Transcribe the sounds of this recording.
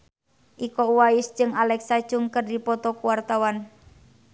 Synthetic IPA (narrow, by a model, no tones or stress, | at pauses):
ʔikɔuwajʊsd͡ʒɨŋalɛksḁʒ̥ʊŋkərdipɔt̪ɔkuwart̪awan